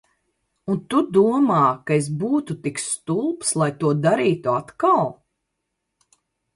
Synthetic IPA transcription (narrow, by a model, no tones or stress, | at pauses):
unt̪ud̪uɔmaːkaes̬buːt̪ut̪ikst̪ulˠpslˠajt̪uɔd̪aɾiːt̪uat̪kalˠ